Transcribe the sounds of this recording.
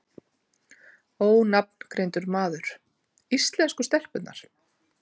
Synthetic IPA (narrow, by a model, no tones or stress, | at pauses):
oːwnapn̥kɾejnt̪ʏɾmaːðʏɾ̥ | ist̪lɛnskʏst̪ɛl̥pʏt̪na̰ɾ̥